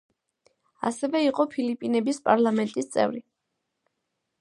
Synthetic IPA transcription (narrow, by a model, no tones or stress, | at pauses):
a̰sɛvɛiqʼɔpʰilipʼinɛbispʼa̰ɾlˠamɛnt̪ʼist̪sʼɛ̰vɾi